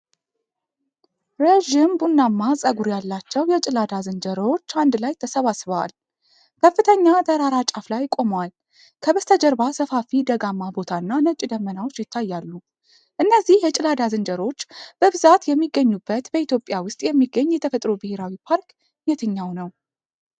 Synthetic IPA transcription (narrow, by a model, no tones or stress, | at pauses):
ɾeʒimbunːamːasʼəɡuɾjalːat͡ʃːɛwjɛt͡ʃʼɪlad̪azɨnd͡ʒəɾot͡ʃːand̪lajt̪ʰəsəβasβəwa̰l | kʰəfːɨt̪ʰəɲːad̪əɾaɾat͡ʃʼaflajkʼo̞mwal | kʰəbəst̪ʰəd͡ʒəɾbasəfafid̪əɡamːabo̞t̪ʰaɨnːanət͡ʃʼid̪əmːənawo̞t͡ʃːjɪt̪ʰːajːalːu | ʔɨnːəzːihjɛt͡ʃʼɪlad̪azɨnd͡ʒəɾo̞t͡ʃːb̥əβɨzat̪jɛmːiɡːəɲːubːət̪bəit̪jo̞pʼjawʊst̪ʼjɛmːiɡːəɲːjɛt̪ʰəfət̪ʼɾobɨheɾawipʰaɾk | jɛt̪ʰɨɲːawnəw